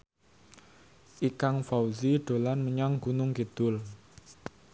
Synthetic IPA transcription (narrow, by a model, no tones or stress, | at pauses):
ʔikaŋfawziɖ̥o̤lanməɲɔŋɡ̥unʊŋɡ̥əd̪̥ʊl